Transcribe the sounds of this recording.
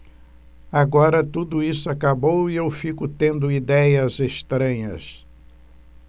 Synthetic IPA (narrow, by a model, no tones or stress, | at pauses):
aɡɔɾɐt̪ud̪ʊisʊakabowiewfikʊt̪ẽnd̪ʊid̪ɛjɐzest̪ɾɐ̃ɲɐ̰s